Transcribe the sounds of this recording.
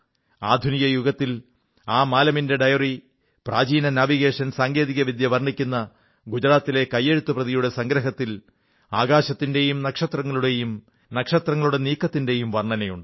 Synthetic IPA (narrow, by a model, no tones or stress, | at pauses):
aːd̪ʱunijɐjuɡɐt̪ːil | aːmaːlɐminde̞ɖɐjɐri | praːd͡ʑiːnɐnaʋiɣe̞ːʂɐnsaːŋɡe̞ːðiɣɐʋid̪jɐʋɐrɳikʲːunːɐ | ɡud͡ʑɐɾaːt̪ːile̞kɐjːeɻut̪ːuprɐðijuɽe̞sɐŋɡɾɐɦɐt̪ːil | aːɡaːɕɐt̪ːinde̞jumnɐkʂɐt̪rɐŋːɐɭuɽe̞jum | nɐkʂɐt̪rɐŋːɐɭuɽe̞niːkːɐt̪ːinde̞jumʋɐrɳːɐnɐjuɳɖɨ